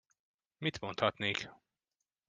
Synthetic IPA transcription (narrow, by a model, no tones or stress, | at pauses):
mit̪mont̪hɒt̪neːk